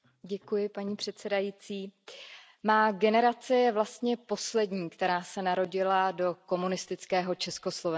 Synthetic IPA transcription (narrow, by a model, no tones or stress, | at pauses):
ɟɛkujɪpaɲiːpr̝̥ɛt̪sɛdajiːt͡siː | maːɡɛnɛɾat͡sɪvlast̪ɲɛpo̞slɛdɲiːkt̪ɛɾaːsɛnaɾo̞ɟɪlado̞ko̞munɪst̪ɪt͡skɛːɦo̞t͡ʃɛsko̞slo̞vɛ